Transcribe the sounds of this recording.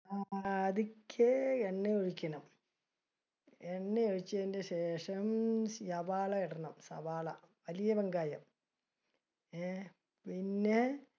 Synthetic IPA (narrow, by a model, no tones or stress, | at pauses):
aðikʲʰːeeɳːeoɻikʲːɐnɐm | eɳːejoɻit͡ɕːɐðindeɕeːʂɐmjɐbaːɭɐeɽɐnːɐmsɐ̰baːɭɐ | ʋɐlijɐbɐŋɡaːjɐm | pinːe